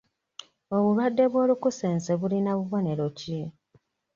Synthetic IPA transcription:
o̞βulwadːe̞βwo̞ːlukuseːnseβulinaβuβo̞ne̞ɾo̞ci

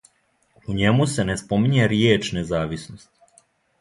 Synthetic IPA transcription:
uɲe̞muse̞ne̞spo̞miɲeɾjeːt͡ʃne̞zaːʋisnost̪

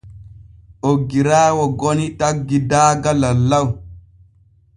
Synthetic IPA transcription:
ʔoɡːiɾaːwɔɡɔnitaɡːidaːɡalalːaw

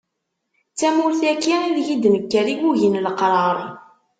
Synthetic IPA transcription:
t͡sːæmʊɾθækːiiðjid̪məkːæɾiɡuʝənləqɾˤɑɾˤ

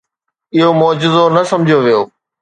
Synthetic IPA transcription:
ɪɦomɔːd͡ʑɪzonɐsɐ̃md͡ʑʱijoʋijoː

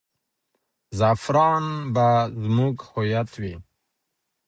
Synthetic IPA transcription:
zafɾɑːnbazmuɡhujat̪ʰwi

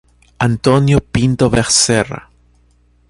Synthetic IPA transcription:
ant̪onjopint̪oβeɾsera̰

